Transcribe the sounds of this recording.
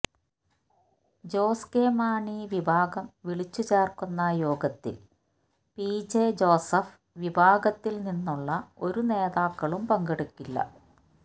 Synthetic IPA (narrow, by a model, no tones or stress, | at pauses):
d͡ʑo̞ːskeːmaːɳiʋibʱaːɡɐmʋiɭit͡ɕːut͡ɕeːrkunːɐjo̞ːɡɐt̪ːḭl | piːd͡ʑed͡ʑo̞ːsɐf | ʋibʱaːɡɐt̪ːilninːuɭːɐo̞ɾune̞ːðaːkːɐɭumpɐŋɡɐɽukːilːɐ̰